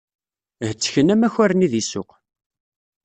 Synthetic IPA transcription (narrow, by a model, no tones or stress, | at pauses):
hət͡sːə̥çənæmæçæɾəniðisʊ̰q